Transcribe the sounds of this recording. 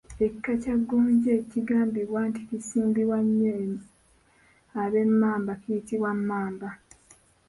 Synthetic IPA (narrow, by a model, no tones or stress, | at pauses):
ekkːacaɡːoːɲɟeːciɡaːmbiβwaːnticisiːmbiβwaɲːe | aβe̞mːaːmbakijitiβwamːaːmba